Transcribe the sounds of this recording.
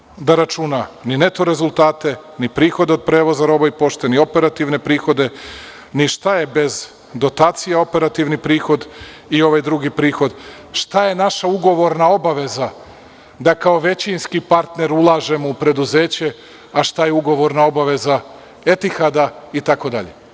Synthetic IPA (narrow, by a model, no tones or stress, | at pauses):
d̪aɾat͡ʃunanine̞t̪o̞ɾe̞zulˠt̪aːt̪e̞nipɾiːxo̞d̪eo̞d̪̚pɾe̞ːʋo̞zaɾo̞baipo̞ʃt̪enio̞pe̞ɾat̪iʋne̞pɾiːxo̞d̪e̞ | niʃt̪aje̞be̞z | d̪o̞t̪aːt̪sijao̞pe̞ɾat̪iʋnipɾiːxo̞d̪ | io̞ʋajd̪ɾuɡipɾiːxo̞d̪ | ʃt̪aje̞naʃauɡo̞ʋo̞ɾnao̞baʋe̞za | d̪akao̞ʋe̞t͡ɕinskipaɾt̪ne̞ɾulˠaːʒe̞moupɾe̞d̪uze̞ːt͡ɕe̞ | aʃt̪ajeuɡo̞ʋo̞ɾnao̞baʋe̞za | e̞t̪ixad̪ait̪ako̞d̪aʎḛ